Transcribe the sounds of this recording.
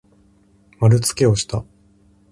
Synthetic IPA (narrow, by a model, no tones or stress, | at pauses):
maɾɯ̟t͡sɨ̥ke̞o̞ɕi̥t̪a